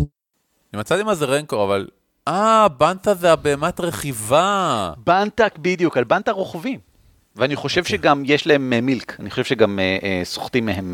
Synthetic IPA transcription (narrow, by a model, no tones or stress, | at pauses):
nimat͡satimazeʁeŋkoaval | abant̪azeabeːmat̪ʁeχivabant̪akbid̪jukalbant̪aʁoχvim | veaniχo̞ʃe̞vʃeɡamjeʃlae̞memilkaniχoʃevʃeɡameʔeso̥χt̪imːehem